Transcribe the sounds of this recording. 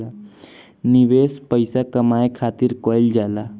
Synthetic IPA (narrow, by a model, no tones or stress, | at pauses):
a | niʋeːspəɪsakəmaːjkʰaːt̪iɾkɔld͡ʒaːla